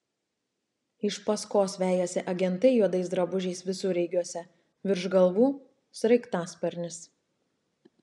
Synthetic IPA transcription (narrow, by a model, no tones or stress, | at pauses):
ɪʃpɐskoːsʋʲæːjoːsʲɛʔɐɡʲɛnˑt̪ɐɪjuɔd̪ɐɪsd̪ɾɐbʊʒʲɛɪsʋʲɪsʊːɾʲɛɪɡʲuɔsʲɛ | ʋʲɪɾʒɡɐlˠʋuː | sɾɐɪkt̪ɑːspʲɐɾʲnʲɪs